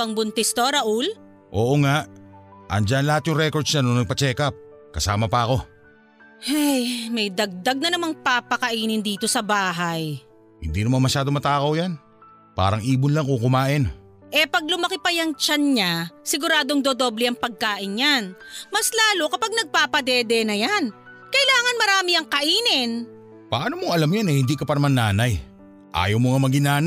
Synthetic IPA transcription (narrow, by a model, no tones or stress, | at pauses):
pɐŋbʊnt̪ɛst̪o̞ɾɐʔul | ʔo̰ːʔoŋaʔʔɐ̰nd͡ʒanlɐhat̪̚jʊŋɾɛkod̪snɐnonɐɡ̚pɐt͡ʃɛːkɐp̚ | kɐsaːmɐpɐɐko̞ | hajmɐjd̪ɐɡ̚d̪aɡ̚nɐnɐmaŋpaːpɐkɐʔiːnɪnd̪iːt̪o̞sɐbaːɦaj | hɪ̰nd̪inɐmanmɐʃaːd̪oŋmɐt̪aːkɐwjan | pa̰ːɾɐŋʔiːbʊnlɐŋkokʊmaːʔɪn | ʔɛpɐɡ̚lʊmɐkɪpɐjɐŋt͡ʃanɲasɪɡʊɾaːd̪oŋd̪od̪o̞ːblɛɐŋpɐɡ̚kaːʔɪnjanmɐslaːlo̞kɐpaɡ̚nɐɡ̚paːpɐd̪ɛːd̪ɛnɐjan | kɐʔɪlaːŋɐnmɐɾaːmiɐŋkɐʔiːnɪn | pɐʔaːnomoɐlamjanːɐhɪnd̪ikɐpɐnɐmanːaːnaj | ʔa̰ːjɐwmoŋamɐɡɪnaːn